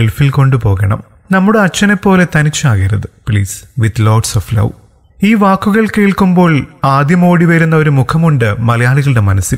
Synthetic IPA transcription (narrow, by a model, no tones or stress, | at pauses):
eɭfilko̞ɳɖupo̞ːɣɐɳɐ̰m | nɐmːuɽeɐt͡ɕːɐne̞pːo̞ːle̞t̪ɐnit͡ɕːaːɣiɾɐðɨpɭiːsʋid̪loːɖsoflɐ̰w | iːʋaːkːuɣɐɭke̞ːɭkumbo̞ːɭaːd̪jɐmo̞ːɽiʋɐɾunːɐo̞ɾumukʰɐmuɳɖɨmɐlɐjaːɭiɣɐɭɨɽemɐnɐsil